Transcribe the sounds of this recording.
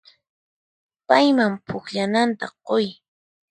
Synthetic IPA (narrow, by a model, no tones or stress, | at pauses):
pajmampʰʊkʎanant̪aqoj